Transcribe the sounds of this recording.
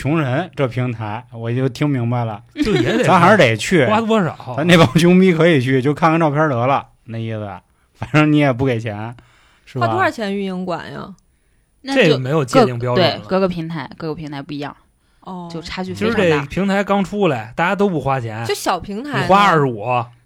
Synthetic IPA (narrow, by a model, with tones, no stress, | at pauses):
t͡ɕʰʊ˧˥ŋɻə˧˥nʈ͡ʂɤ˥˩pʰi˧˥ŋt̪ʰa˧˥ɪwɔ˨˩t͡ɕjo˥˩t̪ʰi˥ŋmi˧˥ŋba˥˧˩ɪlə˩t͡ɕjo˥˩ʊjɛ˧˥t̪e˨˩a˥xa˧˥ɻ̩˥˧t̪e˨˩ɪt͡ɕʰy˥˩wa˥t̪wɔ˥ʂɑ̰˨˦a˥ne˥˩ɪpɑ˥ŋt͡ɕʰjʊ˥ŋpi˥kʰɤ˧˥i˨˩t͡ɕʰy˥˩t͡ɕjo˥˧ʊkʰa˥˧nkə˥nʈ͡ʂɑ˥˧ʊpʰʲjɑ˥t̪ɤ˧˥lə˧ | na˥˧ɪi˥˩swə̰˨˩ | fa˨˩nʈ͡ʂɤ˧˥ŋni˧˥jɛ˨˩p̬u˥˩ke˨˩ɪt͡ɕʰjɛ˧˥n | ʂɻ̩˥˩ba˥u˥ə˞˥˩t͡ɕʰjɛ˧˥ny˥˧ni˧˥ŋkwa̰˨˩nɐ̰˧˩ | na˥ʈ͡ʂe˥˩jo˨˧˩me˧˥ɪjo˨˩ʊt͡ɕɛ˥˧t̪i˥˧ŋpjʊwe˥˩ɪkɤ˥˧˩ɡə˧˩pʰi˧˥ŋt̪ʰa˧˥ɪkɤ˥˩ɡə˩pʰi˧˥ŋt̪ʰa˧˥ɪpu˥˩i˧˥jɑ̰˥˩ŋ | ɔ˧˩jo˥˧ʊʈ͡ʂʰa˥t͡ɕʰy˥˧˩i˧˥ʂɻ̩˧˥e˥˩˧pʰi˧˥ŋt̪ʰa˧˥ɪkɑ˥ŋʈ͡ʂʰu˥˧la˨˩ɪt̪a˥˧˩t͡ɕja˥t̪̬o˥ʊpu˥˩xwa˥t͡ɕʰjɛ˧˥no˧˩ɕjɑ˨˩ʊpʰi˧˥ŋt̪ʰa˧˥˨xwa˥ə˧˥˩wɔ˨˩˦ɐ˧˩